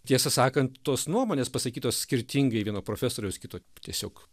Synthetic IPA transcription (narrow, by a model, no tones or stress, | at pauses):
t̪ʲiɛsɐsɑːkɐnt̪t̪oːsnuɔmoːnʲeːspɐsɐkʲiːt̪oːssʲkʲɪɾʲt̪ʲiŋɡɐɪʋʲiɛnoːpɾoːfʲæsoːɾʲɛʊskʲɪt̪oːt̪ʲiɛsʲoːk